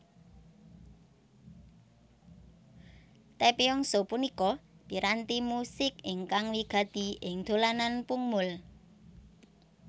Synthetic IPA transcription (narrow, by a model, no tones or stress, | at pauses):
t̪epeɔŋsopunikɔd̪̥i̤ɾant̪imusɪkɪŋkaŋwiɡ̥a̤d̪̥i̤ʔɪŋd̪̥o̤lananpuŋmʊl